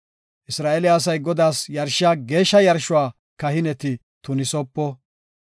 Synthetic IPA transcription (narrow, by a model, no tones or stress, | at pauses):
ʔɪsɾaːʔɛlɪjaːs̬ɐjɡɔd̪aːsjɐɾʃɪaːɡe̞ːʃːɐjɐɾʃʊwaː | kɐhɪnɛt̪ɪ | t̪ʊnɪsɔpːɔ